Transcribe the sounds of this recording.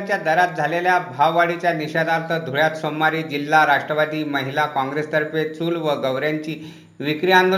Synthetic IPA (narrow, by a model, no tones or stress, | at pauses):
t͡ɕjad̪əɾat̪̚d͡zʱaleljabʱaʋːaɽit͡ɕjaniɕad̪aɾt̪əd̪ʱoɭjat̪somːaɾiːd͡ʑilːaɾaʂʈɾəʋad̪iːməɦilakãŋɡɾest̪əɾpet͡suːlʋəɡəʋɾjaɲt͡ɕiː | ʋikɾijãnd̪o